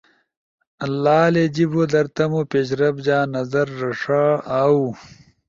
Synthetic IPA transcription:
ɐlːaːled͡ʑibod̪ɐɾt̪ɐmopeɕ̬ɾɐbd͡ʑaːnɐzɐɾːɐʂaːaːu

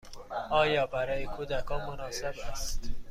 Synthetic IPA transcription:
ɒːjɒːbæɾɒːjekʰuːd̪ækʰɒːnmonɒːsebæst̪

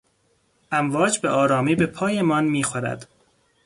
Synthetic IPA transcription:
ʔæmvɒːd͡ʒbeʔɒːɾɒːmiːbe̞pʰɒːjemɒːnmiːxoɾæ̰d̪̥

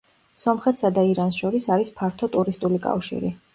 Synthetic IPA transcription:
sɔmχɛt̪ʰsad̪aiɾansʃɔɾisaɾispʰaɾt̪ʰɔt̪ʼuɾist̪ʼulikʼa̰fʃḭɾḭ

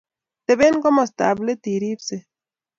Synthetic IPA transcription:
t̪eβeŋkomost̪a̰blet̪iɾibse

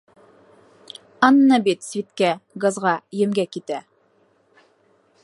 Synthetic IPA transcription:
ɑnːɑbit̪svit̪kæɡɑzʁɑjɘ̆mɡækit̪æ

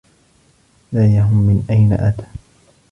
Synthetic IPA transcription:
laːjaɦʊmːɪnʔajna̰ʔat̪ḁː

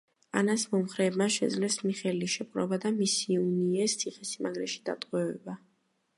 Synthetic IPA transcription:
a̰nasmɔmχɾɛːbmaʃɛd̪zlɛsmiχɛliʃɛpqʼɾɔ̰bad̪amisiuniɛst̪sʰiχɛsimaɡɾɛʃi̥d̪̥a̰t̪ʼqʼwɛvɛ̰ba

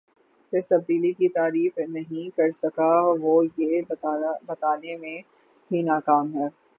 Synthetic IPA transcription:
pɪst̪ɐb̚d̪iːlikit̪aːɾiːfnɐɦĩkɐɾsɐkaʋoːje | bɐt̪aːnemẽ | bʱinaːkaːmɦɛː

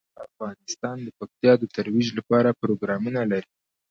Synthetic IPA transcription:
afɣɑnɪst̪ɑnd̪əpak̚t̪jɑd̪ət̪aɾwiʒlapɑɾapɾoɡɾɑmunalaɾi

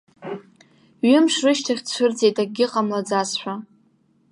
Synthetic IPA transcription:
ɥɪmʂrɨʃtʰaχʲt͡ɕʷʰʊrd͡ze̞jtʼaɡʲɪqʼamlad͡zasħʷᶣa

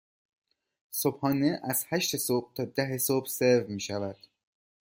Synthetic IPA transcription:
sob̥hɒːneʔæz̥hæʃt̪esob̥̚t̪ʰɒːd̪æɦesob̥seɾvmiːʃævæd̪̥

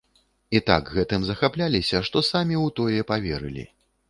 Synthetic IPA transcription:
it̪a̰ɡɣɛt̪ɨmzɐxaplʲalʲisʲɐʂt̪ɔsamʲiwt̪ɔjɛpavʲeɾɨ̰lʲḭ

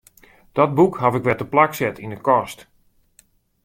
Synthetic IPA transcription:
d̥ɔt̚bukɦafɪkʋɛtəplaksɛtʰindəkɔst

